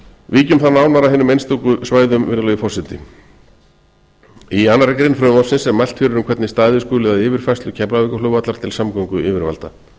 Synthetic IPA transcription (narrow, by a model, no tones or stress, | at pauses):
viːcʏmθanaːwnaɾaɦɪːnʏmejnst̪ukʏsvaːjðʏmvɪnðʏlœjʏfɔrsɪt̪ɪ̰ | iaːnːaɾɛkɾɪnfɾœːʏmɔsɪnsɛmmajl̥t̪fɪːɾʏɾʏmkʰvɛt̪nɪst̪aːjðɪskoːlɪðaðɪːvɪɾ̥fajst̪lʏcʰɛplavɪkaloːwvat̪laɾt̪ʰɪlsamkɔŋkʏʔɪːvɪɾva̰lt̪a